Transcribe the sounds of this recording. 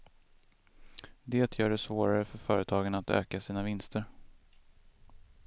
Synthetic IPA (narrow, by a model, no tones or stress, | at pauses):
d̪eːt̪ʰjœːɖɛsvoːɾaɾəfœɾfœ̰ːɾət̪ʰɑːɡənat̪ø̰ːkasiːnavɪnst̪ʰəɾ